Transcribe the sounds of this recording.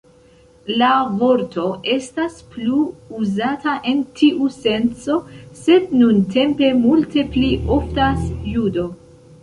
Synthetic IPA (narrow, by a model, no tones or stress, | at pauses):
lavo̞ɾto̞ʔe̞staspluuzatʰaʔe̞ntʰiʔuse̞nt͡so̞se̞d̚nuntʰe̞mpe̞multe̞pliʔo̞ftasjudo̞